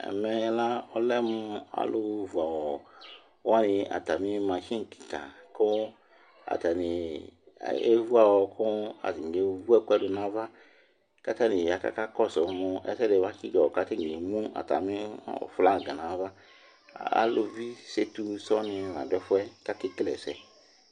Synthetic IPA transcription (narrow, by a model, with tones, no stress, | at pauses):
ɛ̰˨mɛ˦la˦ɔ˦lɛ˦mu˧a̰˨lu˦vu˨a˨wɔ˨˦ | a˦ni˧a̰˨ta˨mi˦ma˨ʃi˦ŋ˨ki̥˨ka̰˨kɔ˦ | a̰˨ta˨nḭ˨ | ḛ˦vu˦a˨wɔ˨kʰu˦a̰˨zi˨ŋ˨ɡe˨˦vu˦ɛ˦kʷɛ˦du˧na˦va˦ | ka˦ta˦ni˨a˨ka̰˦˨ka˦kɔ˦˨sɔ˨˦mu˧ʔɛ̰˦sɛ˦de˨wa˦ki˦ɡɔ˨ɔ˨ka˦ta˦˨i˨e˨mu˦a̰˨ta̰˨mi˦˨fu˨la˦˨ɡa˨na˨˦va˦ | a̰˦lu˧vi˦se˦tu˧sɔ˦ni˧˨na̰˨dɛ˦fu˦ɛ˦ka˦ki˧ki˦lɛ̰˨sɛ˨